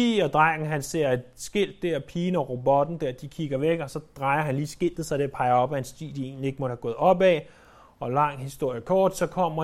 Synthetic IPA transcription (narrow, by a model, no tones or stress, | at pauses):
ḭːɒ̽d̥ʁaɡ̥n̩ɦænse̝ɐ̰e̝d̥sɡ̥el̰d̥ːeɐ̰pʰiːnɒʁobɒ̽d̥n̩d̥æɐd̥ikʰiɡ̥ɐʋeɡ̥ɒ̽sɒ̽d̥ʁɑ̈ɪɐɦænliːsɡ̥e̝l̰d̥ð̩sɑ̈ɪdeɐpʰɑ̈ɪɐɒ̽b̥æhænsd̥ḭːd̥ie̝̰ːnlie̝ɡ̥mɔd̥hæɡ̥ɔ̽ːð̞̩ˠɒ̽b̥ɛ | ɒ̽lɑ̈ŋ̰hisd̥o̝ɐ̰jəkʰɒːd̥sɒ̽kʰɒ̽m̰ɐ